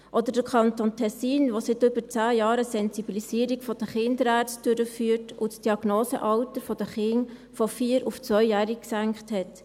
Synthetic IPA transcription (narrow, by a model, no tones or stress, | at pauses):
ʔɔd̪əɾd̥əɾkʰɑntontʰɛsiːnʋosɪtʏbət͡sæːjɑːɾəsɛnsibilisiːəɾikfɔd̥əχɪndəɾæːɾt͡sst̚d̥øɾəfyːəɾtʊ̰tsd̥iɑɡ̥noːsəʔɑwtəɾfɔd̥əχɪŋfɔfiːəɾʊft͡sʋœʏjæːɾikksæŋkχthɛt